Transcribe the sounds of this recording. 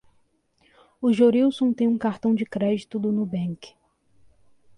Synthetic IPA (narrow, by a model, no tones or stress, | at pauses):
ʊʒoɾiwsõw̃t̪ẽj̃ũkaɾt̪ɐ̃w̃d͡ʒɪkɾɛd͡ʒit̪ʊd̪ʊnʊbẽŋkɪ̥